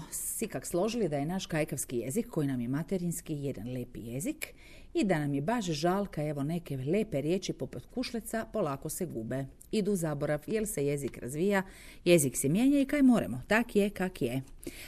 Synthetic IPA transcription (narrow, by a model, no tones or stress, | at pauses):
sʋikakslˠo̞ʒilid̪aje̞naːʃkajkaʋskije̞̰zikːo̞jinamje̞mat̪eɾinskije̞d̪a̰nleːpḭje̞zik | id̪anamjebaʒʒalˠkae̞ʋo̞ne̞keleːpeɾje̞ːt͡ʃipo̞put̪kuʃlet̪sapo̞laːko̞seɡuːbe | id̪uzaboɾaʋjelseje̞zikɾa̰zʋiːja | je̞ziksemjeːɲaikaːjmoːɾḛmot̪akjekakje